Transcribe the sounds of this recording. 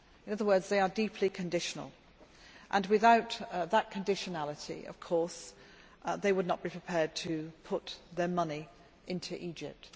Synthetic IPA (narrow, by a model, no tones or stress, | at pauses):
ɪ̃nʌðəwɜ˞dzðeɪə˞diˑpʰlikʰɨ̃ndɪʃənə̰lˠ | ʔə̃nwɪðaʊt̪ðət̚kʰɨ̃ndɪʃɨnalˠətḭə̰v̥kʰɔɹs | ðeɪwədⁿnət̚b̥ipʰɹ̥ɪpʰɛɹd̚tʰɨpʰʊt̪ðə˞mʌni | ʔɪ̃ntʰʉʔid͡ʒɪp̚t